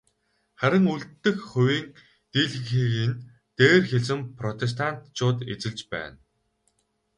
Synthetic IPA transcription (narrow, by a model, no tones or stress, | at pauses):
χæɾʲɪ̆ŋuɮt̪ːɘ̆xχɵwiːn | t̪iɮ̆ŋxiːɣin | t̪eːrxeɮsɘ̆mpʰrɔt̪ʰes̬t̪ʰan̥t̪t͡ɕʊːt̪et͡sɘ̆ɮt͡ɕpæ̰ːn